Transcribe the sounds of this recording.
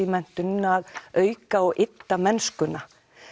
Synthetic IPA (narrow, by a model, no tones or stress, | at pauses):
imɛn̥t̪ʏnaðœːɥkaɔɣɪt̪ːamɛnskʏna